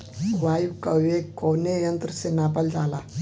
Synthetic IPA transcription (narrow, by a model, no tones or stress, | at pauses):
ʋajukəʋekːɔwnejənt̪ɾəsenapəld͡zala